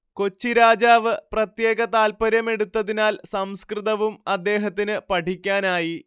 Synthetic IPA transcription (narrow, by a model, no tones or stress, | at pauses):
ko̞t͡ɕːiɾaːd͡ʑaːʋɨprɐt̪je̞ːɣɐt̪aːlpɐɾjɐme̞ɽut̪ːɐðinaːlsɐmskrɨðɐʋumɐd̪ːe̞ːɦɐt̪̬ːinɨpɐʈʰikʲːaːnaːji